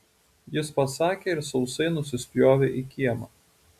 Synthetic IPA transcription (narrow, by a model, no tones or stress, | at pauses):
jɪspɐsɑːkʲeːɪɾsɐʊsɐɪnʊsʲɪsʲpʲjoːʋʲeʔiˑkʲiɛmɑː